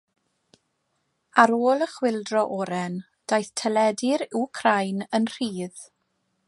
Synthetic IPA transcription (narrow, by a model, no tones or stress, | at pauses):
aɾoːlˠəχwɪlˠdrɔʔɔɾɛn | d̥ajθtʰɛlɛdɪɾɪkʰrajnənr̥iːð